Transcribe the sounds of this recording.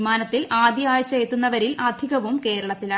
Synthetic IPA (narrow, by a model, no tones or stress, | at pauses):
maːnɐt̪ːilʔaːd̪jɐaːjɐɕɐet̪ːunːɐʋɐɾilʔɐd̪ʱiɣɐʋumke̞ːɾɐɭɐt̪ːilaː